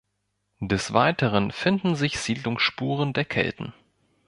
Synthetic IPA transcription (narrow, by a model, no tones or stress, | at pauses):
d̥ɛsv̥aɪtəʁ̞ənfɪndn̩zɪçz̥iːdlʊŋsʃpuːʁəndeːɐkʰɛ̰ltn̩